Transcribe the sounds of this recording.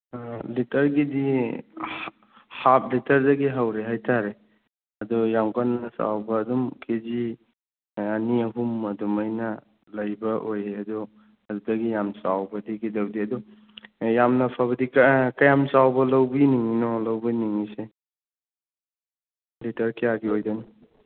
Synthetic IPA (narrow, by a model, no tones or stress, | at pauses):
litʰɐɾɡidi | hap̚litʰɐɾdɐɡiɦawɾeɦajtʰaɾe | ɐdɔjamkannɐsa̰wbɐːdumkʰezi | aniɐɦumɐdumajnɐ | lɐjbɐʔojeɐdɔ | ɐdudɐɡijamsa̰wbɐdiɡidɐwdiɐdɔ | jamnɐpʰaβɐdikɐjamsawbɐlɐwbiniŋinɔlɐwbiniŋise | litʰɐɾkijaɡiojdanɔ